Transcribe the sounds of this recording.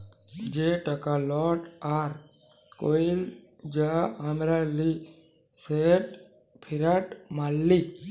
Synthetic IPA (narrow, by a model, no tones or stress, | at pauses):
d͡ʒeʈəkalɔʈaɾ | koil | d͡ʒaamɾali | seʈ | pʰiɾəʈmalːi